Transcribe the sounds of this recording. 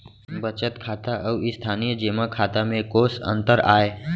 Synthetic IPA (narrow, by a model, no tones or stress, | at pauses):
bət͡ʃət̪kʰaːt̪aʔəʋist̪ʰaːnijəd͡ʒemakʰaːt̪amẽkoːsə̰̃nt̪əɾa̰ːe